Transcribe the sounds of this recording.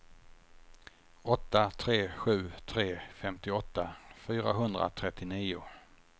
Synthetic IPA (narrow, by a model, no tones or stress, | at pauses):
ɔt̪ːat̪ʰɾeːɧʉ̟ːt̪ʰɾeːfɛmt̪ɪɔt̪ːafyːɾaɦɵnd̪ɾa̰t̪ʰɾɛt̪ːɪniːʊ